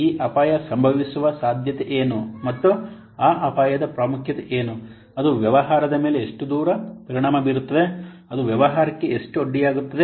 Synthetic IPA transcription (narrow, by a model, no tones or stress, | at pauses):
iːʔɐpaːjɐsɐmbʱɐʋisuʋɐsaːd̪ʱjɐt̪eʔeːnumɐt̪ːu | aːʔɐpaːjɐd̪ɐpɾaːmukʰjɐt̪eʔeːnu | ɐd̪uʋjɐʋɐɦaːɾɐd̪ɐme̞ːleeʂʈud̪uːɾɐpɐɾiɳaːmɐbiːɾut̪ːɐd̪e̞ɐd̪uʋjɐʋɐɦaːɾɐkːe̞eʂʈuoɖːijaːɡut̪ːɐd̪e